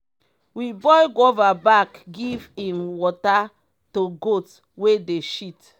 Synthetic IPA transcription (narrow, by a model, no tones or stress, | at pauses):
wibɔjɡovabakɡivĩmwɔta | toɡot | wedeʃit